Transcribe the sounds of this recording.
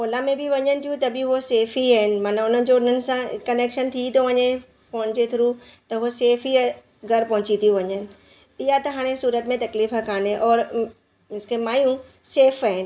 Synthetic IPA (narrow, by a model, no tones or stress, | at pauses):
ɦoːlamẽbɪʋɐɲənɪ̆t̪ʰijũt̪ɐbɪɦoseːfiaːɦɪnɪ̆maːnaʊn̤ənɪ̆d͡ʑoʊn̤ənɪ̆sãkɐneːkʃənt̪ʰit̪oʋɐɲe | pɐ̃ɦʊ̃ɲd͡ʑet̪ʰɪɾut̪ɐɦoseːfi | ɡʱɐɾpɐɦʊ̃t͡ɕit̪ʰiʋɐɲənɪ̆ | ɪɦat̪ɐɦaːɽ̃esuːɾət̪mẽt̪ɐkliːfakaːneʔɔːɾ | ɪskemaːjũseːfaːɦɪnɪ̆